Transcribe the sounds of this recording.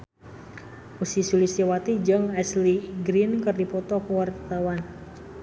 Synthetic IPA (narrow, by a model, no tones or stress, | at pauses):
usisulisiwat̪id͡ʒɨŋɛsliɡɾinkɨrdipɔt̪ɔkuwart̪awan